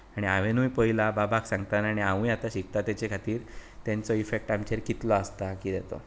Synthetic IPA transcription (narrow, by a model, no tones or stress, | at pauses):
aɽ̃iaʋenujpəɦilababʱaksãŋɡt̪anaɽ̃iaʋũjat̪aɕiɡ̚t̪at̪jat͡ɕekʰat̪iːɾt̪jant͡sɔifek̚ʈamt͡ɕeɾkit̪lɔəst̪akiːd̪et̪ɔ̰